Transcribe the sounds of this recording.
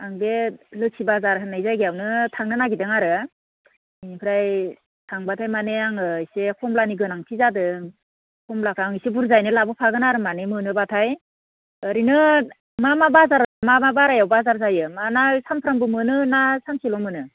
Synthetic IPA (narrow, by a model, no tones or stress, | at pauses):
aŋbelɯsʰibazaɾnajzajɡijawnɯtʰaŋnɯnaɡidɯŋaɾɯ | inipʰɯɾaj | tʰaŋbatʰajmaneaŋɯjsekʰɔmlaniɡɯnaŋtʰizadɯŋ | kʰɔmlakʰaŋisebuɾzajnɯlabɯpʰaɡɯnaɾɯmanemɯnɯbatʰaj | ɯɾinɯ | mamabazaɾmamabaɾajawbazaɾzajɯmanasampʰɯɾambɯmɯnɯnasamsilɔmɯnɯ